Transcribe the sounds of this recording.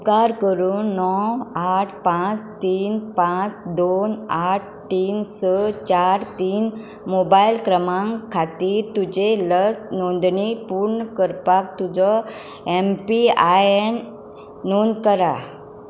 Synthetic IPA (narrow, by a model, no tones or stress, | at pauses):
kaɾkəɾuːnːɔaʈʰpãt͡st̪iːnpãt͡sd̪onaʈ̚ʰʈiːnsət͡ɕaɾt̪iːn | mobailkɾəmãŋkʰat̪iːɾt̪ud͡ʑeləsnond̪ɳipuɾɳəkəɾpak̚t̪ud͡zɔ | empiaenː | onkəɾa̰